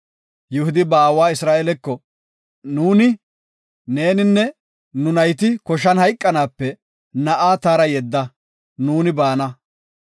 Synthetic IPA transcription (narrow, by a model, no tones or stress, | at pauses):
jʊhʊd̪ɪbaːwaːɪsɾaːʔelɛkːɔ | nuːnɪ | neːnɪnːɛ | nʊnɐjt̪̬ɪkɔʃ̬ɐnhɐjkʼːɐnaːpːɛ | nɐʔaːt̪aːɾɐjɛd̪ːɐ | nuːnɪbaːnɐ